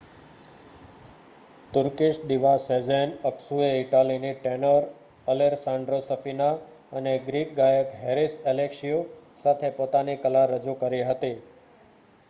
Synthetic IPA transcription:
t̪ʊɾkiʃd̪iʋased͡ʒenəksueɪʈaliniʈenəɾ | əleɾsãɳɖɾosəfina | əneɡɾikɡajəkɦeɾiselekʃiosat̪ʰepot̪anikəlaɾəd͡ʒukəɾiɦət̪i

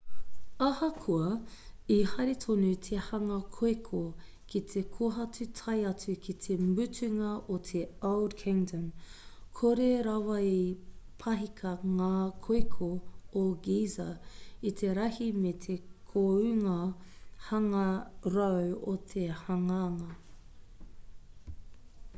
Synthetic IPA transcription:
ɐhɐkʰuɐihɐɾetʰonut̪ʰehɐŋɐkʰoekʰo | kit̪ʰekʰoɦɐtutʰɐjɐt͡sʉkʰit̪ʰemʉtʰʉŋɐʔotʰeowdkʰɪŋdɐmkʰoɾeɾɐwɐipʰɐɦikʰɐŋaːkʰoekʰooɡiːzɐit̪ʰeɾɐhimet̪ʰekʰoʉŋɐhɐŋɐɾowot̪ʰehɐŋaŋɐ

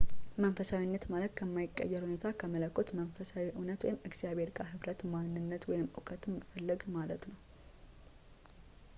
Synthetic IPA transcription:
mənfəsawinːət̪malət̪kʰəmːajɪkʼːə̰jːɛɾhune̞t̪ʰakʰəmələkʰʼːot̪mənfəsawiʔunət̪wɔ̰jɪmɨɡz̥ijaβe̞ɾkʼaɦɨβɾət̪manːɨnːət̪wɔjɪmɨ̰kʼʰət̪ʰɨmːəfəlːəɡmalət̪nəw

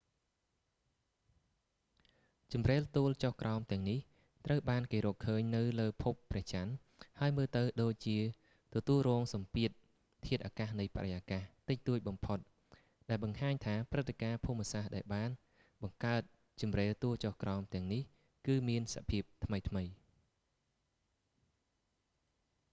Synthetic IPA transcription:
t͡ɕumreːlt̪uːlt͡ɕohkrʔaɔmt̪ɛ̆əŋnih | t̪rəwɓaːnkeːɾɔːkkʰːəːɲnɨwləːpʰupːrɛ̆əht͡ɕan | haəjməːlt̪ɨwɗoːc̚t͡ɕiə | t̪ɔt̪uəlrɔːŋsɑmpiət̪̚ | t̪ʰiət̪̚ʔaːkahnɨjpa̰ɾəjaːkaht̪ɨc̚t̪uəc̚ɓɑmpʰot̪̚ | ɗaɛlɓɑŋhaːɲt̪ʰaːprɨt̪ʰːekaːpʰuːmːɛəsahɗaɛlɓaːn | ɓɑŋkaət̪̚ | t͡ɕɑmreːlt̪uəlt͡ɕohkraɔmt̪ɛ̆əŋnih | kɨːmiənsa̰ʔpʰiəp̚t̪ʰməjt̪ʰməj

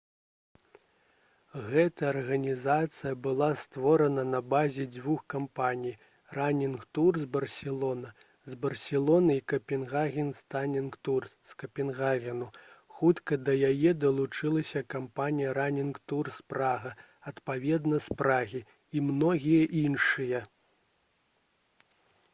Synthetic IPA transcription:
ɣɛt̪ɐɐɐrɣɐnʲizat̪sɨjɐbɨlˠast̪vɔɾɐnɐnɐbazʲɛd͡zʲvuxkampanʲij | ranʲinkt̪urzbɐrsʲɛlˠɔnɐ | zbɐrsʲɛlˠɔnɐikɐpʲɛnɣaɣʲɛnst̪anʲinkt̪urskɐpʲɛnɣaɣʲɛnuxut̪kɐd̪ɐjajɛd̪ɐlˠut͡ʂɨlˠɐsʲɐkampanʲijɐɾanʲinkt̪urspɾaɣɐ | ɐt̪pavʲɛd̪nɐspɾaɣʲi | imnɔɣʲijɐʔinʂɨjɐ

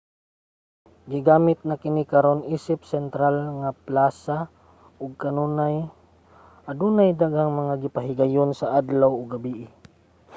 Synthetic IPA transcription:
ɡɪɡaːmɪt̪̚nakɪnikaɾonʔiːsɪp̚sɛnt̪ɾalŋaplaːsa | ʔʊɡ̚kanuːnaj | ʔad̪uːnajd̪aɡhaŋmaŋaɡɪpaɦɪɡajonsaʔad̪lawoɡabiʔɪ

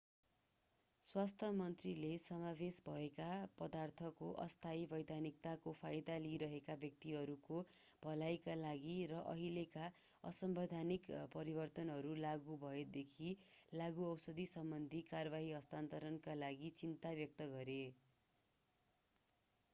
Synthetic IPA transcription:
swast̪ʰʌmʌnt̪rilesʌmabesbʱʌekapʌd̪art̪ʰʌkoʔʌ̰st̪ʰajbʱʌjd̪anik̚t̪akopʰajd̪aliɾʌɦekabjʌk̚t̪iɦʌɾukob̥ʱʌlajkalaɡirʌʔʌɦileka | ʌ̰sʌmbʌd̪ʱanikpʌɾibʌrt̪ʌnɦʌɾulaɡubʱʌed̪ekʰilaɡuʌwsʌd̪isʌmbʌnd̪ʱikarʌbaɦiʌst̪ant̪ʌɾʌnkalaɡit͡sint̪abjʌk̚t̪ʌɡʌɾe

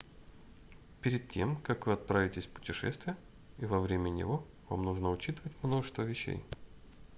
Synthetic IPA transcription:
pʲɪɾʲɪd̪̚tʲe̞̰mkakvɨɐt̪̚pɾavʲɪtʲɪsʲpʊ̥tʲɪʂɛ̰st̪vʲɪjə | ivɐvɾʲemʲənʲɪ̰vo | va̰mnuʐnəʊt͡ɕit̪əvətʲmno̞ʐɨ̥st̪vəvʲɪɕːḛj

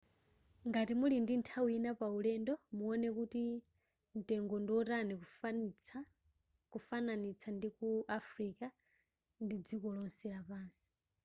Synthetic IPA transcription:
ŋɡatimulindintʰawinapaulɛndɔmuɔnɛkuti | n̩tɛŋɡɔndɔtani | kufananit͡sʰandikuʔafɾika | ndid͡zikɔlɔnsɛɺapaːnsi̥

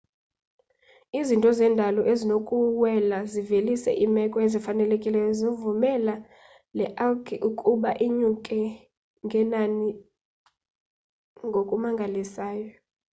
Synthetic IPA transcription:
izintʼɔzɛndʱalɔʔezinokʼuwɛlazivelisɛ̰ʔimɛkʼɔezifanɛlekʼilɛjɔzovumɛla | lɛʔalkʰʼiʔukʼuɓaʔiɲukʼɛ | ŋɡʱɛnani | ŋɡʱokʼumaŋɡʱalisaːjɔ

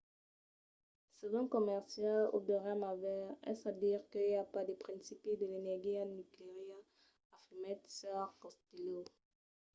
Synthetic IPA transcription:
sezɔ̃kɔmɛʁsjalo̰bəʁamavɛʁɛ̰sad̪iʁkəiljapad̪epχɛ̃nsipid̪əlenɛʁɡianykleʁjɛʁ | afimɛt̪sɛʁkɔst̪ilo

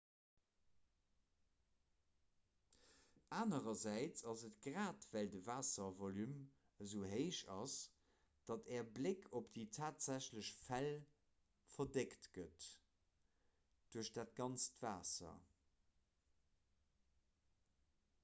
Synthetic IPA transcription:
ʔaːnəʁɐzæɪt͡sɑzətɡ̥ʁaːtv̥ældəvaːsɐvolym | əzəʊɦeɪʃɑs | d̥ɑtʰɛːɐblekʰopd̥iːtʰaːtz̥æɕləɕfæl | fɐdektɡ̥ət | d̥uːɐɕd̥aːt̚ɡ̥ɑnt͡stv̥aːsɐ̰

